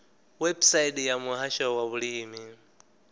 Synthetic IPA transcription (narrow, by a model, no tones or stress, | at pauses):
wɛbsaidjamuɦaʃawaβuliːmi